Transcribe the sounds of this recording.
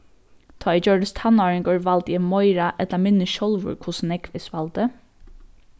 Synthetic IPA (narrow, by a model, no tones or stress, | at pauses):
t̪ʰɑːid͡ʒøːɖəst̪ʰɑnoːɹəŋɡøːɹʋɑlt̪jɛmɔʏɹɑʔɛt̪lɑmɪnəʃɔlʋʊ̰ɹkʰʊsnɛkʋɪsʋɑld̪ə